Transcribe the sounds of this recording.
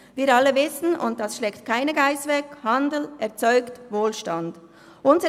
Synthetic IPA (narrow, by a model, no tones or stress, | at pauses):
viːɾɑlːəvɪsn̩ʊ̰nt̚d̥ɑsʃlɛːktkʰaɪnəɡaɪsvɛkhɑndl̩ʔɛʁt͡sɔʏktvoːlʃtɑnd | ʔʊnzə